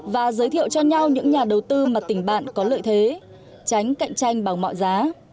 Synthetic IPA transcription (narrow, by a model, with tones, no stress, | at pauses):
vaː˨˩zəː˨˦jt̪ʰḭ˧˨əwt͡ɕɔ˧ɲa˧wɲɨ̰˧˥ŋɲaː˨˩ɗə˨˩wt̪ɨ˧maː˨˩t̪ï˧˩ŋ̟ɓa̰ː˧˨nkɔ˨˦lə̰ː˧˨jt̪ʰe˨˦ | t͡ɕa˨˦jŋ̟ka̰˧˨jŋt͡ɕa˧jŋ̟ɓaː˨˩wŋ͡mmɔ̰˧˨jzaː˨˦